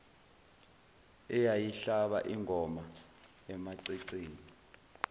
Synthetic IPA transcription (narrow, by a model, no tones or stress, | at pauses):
ɛjajiɬaɓa̰ʔiŋʱɔma | ɛmaǀiǀiːni